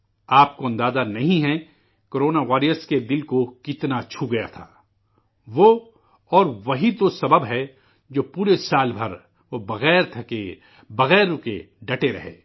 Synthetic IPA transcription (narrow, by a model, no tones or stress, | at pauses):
aːp̚koɐ̃nd̪aːzanɐɦĩɦɛ | koːɾoːnaʋaːɾijəsked̪ɪlkokɪt̪nat͡ʃʰuɡɐja̰t̪ʰa̰ː | ʋo | ɔːɾʋɐɦit̪osɐbəbɦɛ | d͡ʒoːpuːɾesaːlbʱɐɾ | ʋobɐɣɛːɾt̪ʰɐke | bɐɣɛːɾʊkḛ | ɖɐʈeɾɐ̰ɦḛː